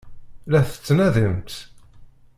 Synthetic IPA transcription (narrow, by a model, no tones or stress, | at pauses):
læθə̥t͡sːnæðəmt̪